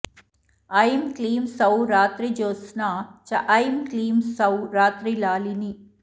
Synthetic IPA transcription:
ɐjmkliːmsɐwɾaːt̪ɾid͡ʒoːsnaːt͡ʃɐʔɐjmkliːmsɐwɾaːt̪ɾilaːlini

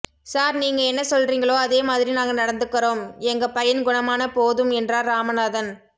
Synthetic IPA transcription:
saːɾniːŋɡɐɛnːɐsɔlriːŋɡɐɭoːɐðeːmaːðɪɾinaːŋɡɐnɐɽɐnd̪ɯkːɐɾoːmɛŋɡɐpɐjɐnɡʊnɐmaːnɐpoːðɯmɛndraːɾːaːmɐnaːðɐn

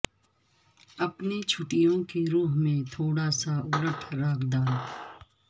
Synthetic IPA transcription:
ɐpnet͡ʃʰʊʈɪjõkeɾuːɦmẽt̪ʰoːɽasaʊɾəʈʰɾaːkʰd̪aːl

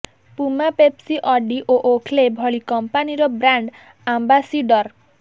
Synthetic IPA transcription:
pumapepsiʔɔɖiʔoʔokʰlebʱɔɭikɔmpaniɾɔbɾaɳɖ | ambasiɖɔɾ

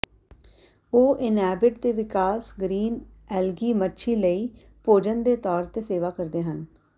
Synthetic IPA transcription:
oːʔɪnɦɛːbɪʈt̪eːʋɪkaːsɡɾiːn | ɛːlɡiːmətːʃʰiːləiː | poːd͡ʒənd̪eːt̪ɔːɾt̪eːseːʋaːkəɾd̪eːɦən

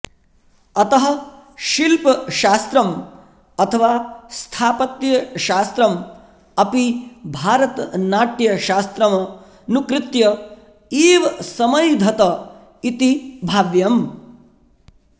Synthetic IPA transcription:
ɐt̪ɐɦɐ̆ | ʃilpɐʃaːst̪ɾɐm | ɐt̪ʰɐʋaːst̪ʰaːpɐt̪jɐʃaːst̪ɾɐm | ɐpibʱaːɾɐt̪naːʈjɐʃaːst̪ɾɐmɐ | nukɾɪt̪jɐ | iːʋɐsɐmɐjd̪ʱɐt̪ɐ | it̪ibʱaːʋjɐm

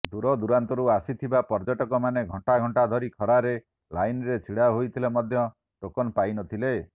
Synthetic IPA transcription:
d̪uɾɔd̪uɾant̪ɔɾuasit̪ʰibapɔɾd͡ʒɔʈɔkɔmaneɡʱɔɳʈaɡʱɔɳʈad̪ʱɔɾikʰɔɾaɾe | lajnɔɾet͡ʃʰiɽaɦojt̪ʰilemɔd̪ʱjɔ | ʈokɔnpajnɔt̪ʰile

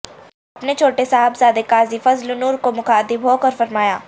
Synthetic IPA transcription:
ɐpnet͡ʃʰoːʈesaɦəbzaːd̪ekaːzifɐzlʊnuːɾkomʊkʰaːd̪ibʱɦoːkɐɾfɐɾmaːjaː

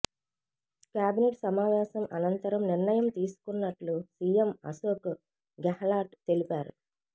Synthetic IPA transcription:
kjaːbineʈsɐmaːʋaːsɐmʔɐnɐnt̪ɐɾɐmniɾɳɐjɐmt̪iːsu̥kunːɐʈlusiːemɐ̰soːku | ɡɐhɐlaːʈt̪e̞lipaːɾṵ

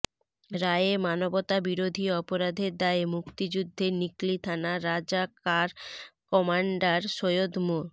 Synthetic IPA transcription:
ɾaeemanobot̪abiɾod̪ʱiɔpoɾad̪ʱeɾd̪aemukt̪id͡ʑud̪ʱːeniklit̪ʰanaɾad͡ʑakaɾkɔmaɳɖaɾʃojod̪moɾ

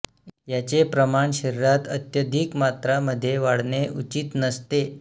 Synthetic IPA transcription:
jat͡ɕepɾəmaɳɕəɾiɾat̪ət̪jəd̪ʱikmat̪ɾaməd̪ʱːjeʋaɽɳeʔut͡ɕit̪nəst̪e

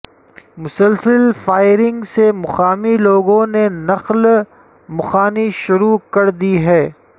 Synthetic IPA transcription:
mʊsəlsəlfaːɪɾɪ̃ŋɡsemʊxaːmiloːɡõnenɐql | mʊxaːniʃʊɾukɐɾd̪iɦɛː

